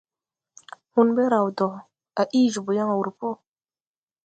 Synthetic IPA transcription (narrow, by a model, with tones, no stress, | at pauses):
hu˦nbe˦ɾa˨wdɔ˨ | a˨ʔiː˦ʒu˨bu˨ja˦ŋa˨wu˨ɾpo˦